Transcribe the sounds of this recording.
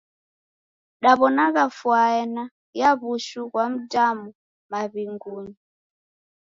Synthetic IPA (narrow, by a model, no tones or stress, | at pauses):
ɗaβɔnaɣafwaɛna | jaβuʃuɣwam̩tʼamu | maβiŋɡuːɲi